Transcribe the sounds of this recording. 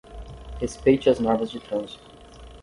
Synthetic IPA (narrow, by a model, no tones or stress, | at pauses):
hespejt͡ʃɪɐznɔɾvɐzd͡ʒɪt̪ɾɐ̃zit̪ʊ̥